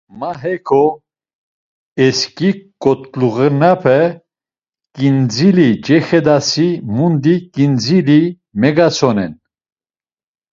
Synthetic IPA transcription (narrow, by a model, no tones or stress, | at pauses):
maɦɛkʰɔ | ɛskikʼɔt̪luɣənapʰɛ | kʼind͡zilid͡ʒɛxɛd̪asimund̪ikʼind͡zili | mɛɡasʰɔnɛn